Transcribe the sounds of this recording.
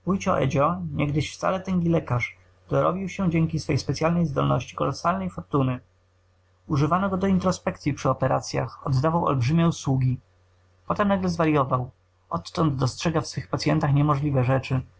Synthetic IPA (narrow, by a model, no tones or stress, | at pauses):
ujt͡ɕɔ̰ʔɛ̰d͡ʑɔɲɛɡd̪ɘɕft̪sa̰lɛt̪ɛŋɡʲilɛkaʂ | d̪̥ɔɾɔbʲiwɕɛ̃d͡ʑɛŋkʲisfɛjspɛt̪sʲjalnɛjzd̪ɔ̰lnɔɕt͡ɕi̥kɔlɔsalnɛjfɔɾt̪unɘ | uʐɘvanɔɡɔd̪ɔint̪ɾɔspɛkt̪sʲjipʂɘɔpɛɾa̰t̪sʲja̰xɔ̰d̪ːavawɔ̰lbʐɘmʲjɛuswuɡʲi | pɔt̪ɛmnaɡlɛzvaɾjɔvaw | ʔɔt̪ːɔnd̪d̪ɔstʂɛɡafsfɘxpat̪sʲjɛnt̪axɲɛmɔʐlʲivɛʐɛt͡ʂɘ